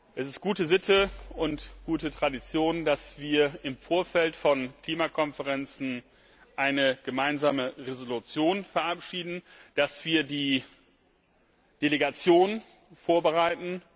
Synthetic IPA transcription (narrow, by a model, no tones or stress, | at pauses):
ʔɛsɪst̚ɡ̥uːtəzɪtʰəʊntɡ̥uːtətʁ̥adit͡sjoːndasv̥iːɐɪmfoːɐfɛltfɔnkl̥iːmakʰɔnfəʁɛnt͡sn̩ | ʔaɪnəɡ̥əmaɪnzaːməʁezolut͡sjoːnfɛɐʔapʃiːdn̩d̥asv̥iːɐdiː | d̥eleɡat͡sjoːn | foːɐbəʁaɪtn̩